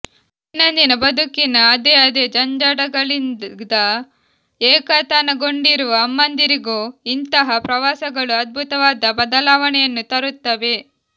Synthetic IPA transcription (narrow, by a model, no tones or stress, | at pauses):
inːɐnd̪inɐbɐd̪ʱukinɐːd̪eːɐd̪eːd͡ʒɐɲd͡ʒaːɽɐɡɐɭind̪ɐ | ɛːkɐt̪anɐɡo̞ɳɖiɾuʋɐːmːɐnd̪iɾiɡoːint̪ɐɦɐpɾɐʋaːsɐɡɐɭuɐd̪̚bʱut̪ɐʋaːd̪ɐbɐd̪ɐlaːʋɐɳɛjɐnːut̪ɐɾut̪ːɐʋe̞